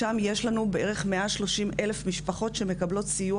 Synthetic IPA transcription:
amje̞ʃlanubeeʁe̞χmeʔaʃlo̞ʃimʔe̞lefmiʃpaχo̞tʃe̞me̞kablo̞tsiju

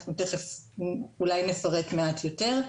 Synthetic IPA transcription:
χnuteχef | ulajne̞faʁe̞kmeatʰjo̞te̞ʁ

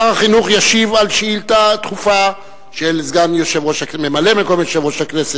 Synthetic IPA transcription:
aʁaχinuχjaʃivalʃeilt̪at̪χufa | ʃelzɡanjoʃe̞vʁoʃhakmemale̞mekomjoʃevʁo̞ʃaknese

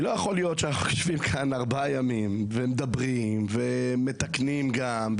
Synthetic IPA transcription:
lo̞jaχolijo̞tʃanaχuḁʃvimkʰanaʁbajamimvemed̪abʁimveme̞t̪aknimɡa | m

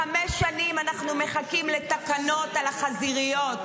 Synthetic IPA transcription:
ameʃːanimanaχnume̞χakimlet̪akano̞t̪alaχaziʁijo̞t

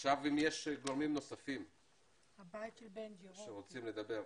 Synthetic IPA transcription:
χʃavimjeʃɡoʁmimno̞safim | habaitʃelbenʃeʁot͡simle̞d̪abe̞ʁ

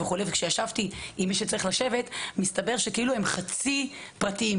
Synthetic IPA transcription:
veχulevekʃejaʃavt̪iimːiʃet͡saʁiχlaʃe̞ve̞t̪mist̪abe̞ʁʃe̞keilue̞mχat͡si | pʁatiim

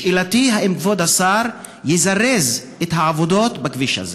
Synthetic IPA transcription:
ilat̪iɦaʔimkvod̪asaɾ | jizaʁez | et̪haʕavod̪o̞t̪bakviʃa̰z

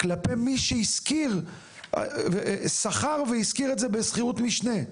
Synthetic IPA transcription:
klape̞miʃeiskiʁ̰ | vesaχaʁveiskiʁetzebe̞sχiʁut̪miʃne

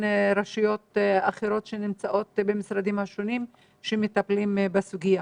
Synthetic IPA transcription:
nɾaʃijo̞t̪aχeɾo̞tʃenimt͡saʔo̞t̪bemisɾad̪imhaʃo̞nim | ʃemet̪aplimbasuɡija

